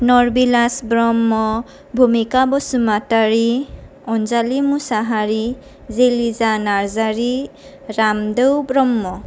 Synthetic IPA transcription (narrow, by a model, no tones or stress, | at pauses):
nɔɹbilasbɾɔmːɔ | bʱumikabɔsumataɹi | ɔnzalimusaɦaɹi | zelizanaɹzaɹi | ɾamdewbɾɔmːɔ